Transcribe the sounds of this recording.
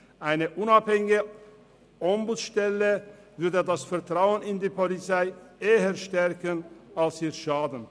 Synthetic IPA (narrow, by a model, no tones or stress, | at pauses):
ʔaɪnəʔʊnaphɛŋɪɪɡə | ʔɔmbut͡sʃtɛlə | vʏɐdədasfɛɐtʁ̥aʊənɪndiːpolit͡saɪeːəʃtɛʁkənalsiːɐʃaːdn̩